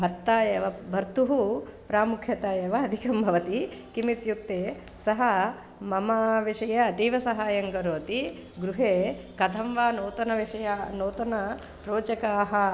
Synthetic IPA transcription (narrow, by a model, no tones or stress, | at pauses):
bʱɐɾt̪aːjɐʋɐbʱɐɾt̪uɦupɾaːmukʰjɐt̪aːjɐʋɐɐd̪ʱikɐmbʱɐʋɐt̪ikimit̪juk̚t̪eːsɐɦɐ | mɐmaːʋiʂɐjɐːt̪iːʋɐsɐɦaːjɐŋɡɐɾoːt̪i | ɡɾuɦeː | kɐd̪ʰʱɐmʋaːnoːt̪ɐnɐʋiʂɐjanoːt̪ɐnɐ | pɾoːt͡ʃɐkaːɦɐ